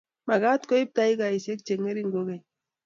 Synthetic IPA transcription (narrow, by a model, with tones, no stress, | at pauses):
ma˨ɡa˦t̪ko˦i˦p̚t̪a˦iɡa˨ise˦k̚t͡ʃe˨ŋe˦ɾi˦ŋɡo˦ɡe˨